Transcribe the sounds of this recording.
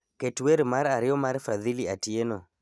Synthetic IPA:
kɛtuweɾimaɾaɾiɔmaɾɛfaðiliatiɛnɔ

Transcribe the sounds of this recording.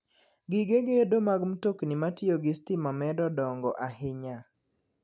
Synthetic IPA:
ɡɪɡeɡedomaɡmtoknimatjoɡɪstɪmamɛdɔdɔŋɡɔʔahɪɲa

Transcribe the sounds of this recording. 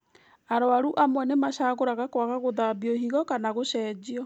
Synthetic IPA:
aɾoaɾuʔamwɛnemaɕaɣoɾaɣakwaɣaɣoðabiɔɦiɣɔkanaɣoɕɛːd͡ʑiɔ

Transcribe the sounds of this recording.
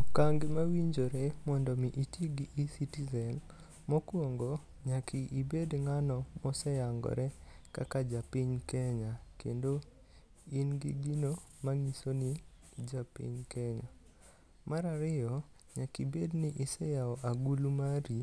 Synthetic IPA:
kaŋɡɪmawiɲd͡ʒoɾɛmɔndɔmiʔitiɡiʔisitizɛn | mɔkwoŋɡɔ | ɲakɪʔibedŋanɔmɔsɛjaŋɡɔ̰ɾɛka̰kad͡ʒapiɲkɛɲakḛndo | inɡḭɡino | maŋisoni | d͡ʒapḭɲkʰɛɲa | maɾaɾɪjɔ | ɲakibednɪʔisɛjaɔʔaɡulumaɾi

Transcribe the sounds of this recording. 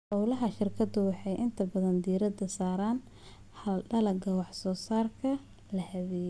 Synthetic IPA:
ʔɔwlɐɦɐʃɪrkʰɐd̪ʊwɑħɑjʔɪnt̪ʰɐbɐðɐnd̪iːɾɐd̪ɐsaːɾaːn | hɐlɖɐlɐɡɐwɑħsɔːsaːrkʰɐ | lɐhɐβɛːj

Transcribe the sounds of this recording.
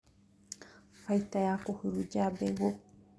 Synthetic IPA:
fajt̪ajakohɨɾud͡ʒabeɡo

